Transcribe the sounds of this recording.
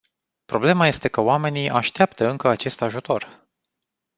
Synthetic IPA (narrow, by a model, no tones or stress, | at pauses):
pɾo̞ble̞maje̞st̪e̞kəoame̞niʔaʃt̪eapt̪əɨŋkəat͡ʃe̞st̪aʒut̪o̞r